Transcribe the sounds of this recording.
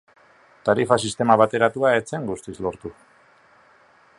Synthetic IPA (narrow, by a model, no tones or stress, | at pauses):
t̪aɾifasist̪e̞maβat̪e̞ɾat̪uae̞t͡se̞ŋɡust̪islo̞ɾt̪u